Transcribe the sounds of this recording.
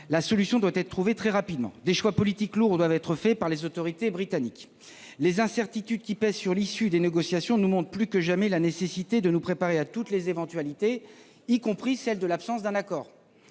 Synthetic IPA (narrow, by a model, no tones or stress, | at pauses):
lasɔlysjɔ̃d̪wat̪ɛt̪χət̪χuvet̪χɛʁapid̪mɑ̰̃d̪eʃwapɔlit̪ikluʁd̪wavɛt̪χəfɛpaʁlezot̪ɔʁit̪ebʁit̪anik | lezɛ̃sɛʁt̪it̪yd̪kʲipɛzsyʁlisyd̪eneɡɔsjasjɔ̃numɔ̃t̪χplykəʒamɛlanesesit̪ed̪ənupχepaʁeat̪ut̪lezevɑ̃t̪ɥalit̪e | ikɔ̃pχisɛld̪əlapsɑ̃sd̪ɛ̃nakɔːʁ